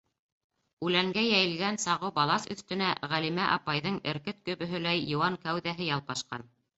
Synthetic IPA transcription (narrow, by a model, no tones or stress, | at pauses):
ʉlæŋɡæjæjɘ̆lɡænsɑʁɤbɑlˠɑsɵ̰̆θt̪ɘ̆næʁælimæʔɑpɑjðɤɴɘ̆ɾkɘt̪̚kɵ̆βɵ̆ɦɵ̆læjːŏwɑŋkæwðæɦɘjɑlˠpɑʃqɑ̰n